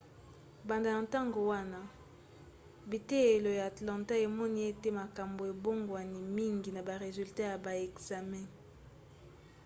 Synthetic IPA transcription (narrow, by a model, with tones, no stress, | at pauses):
ba˨nda˨na˨nta˦ŋɡo˨wa˦na˦ | bi˨te˦e˨lo˨ja˨a˨tlã˨nta˦e˨mɔ˦ni˦e˦te˦ma˨ka˨mbo˨e˨bo˦ŋɡwa˨ni˨mi˦ŋɡi˨na˨ba˨ʁe˨zy˨lta˦ja˨ba˨ɛ˨kza˨mɛ̃˦